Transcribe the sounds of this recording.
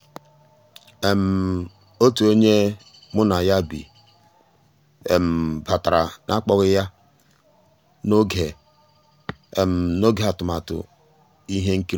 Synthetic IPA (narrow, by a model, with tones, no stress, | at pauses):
e˨m̩˨ | o˦tu˨o˦ɲe˦ | mʊ˦na˨ja˦bḭ˨ | e˨m̩˨ba˨ta˨ɾa˨nʔa˦k͡pɔ˦ɣɪ˦ja˦ | no˦ɡe˨ | e˨m̩˨no˦ɡe˦˨a˨tʊ˨ma˨tʊ̰˨ | i˦ɦe˦ŋ̩˦ki˦ɾ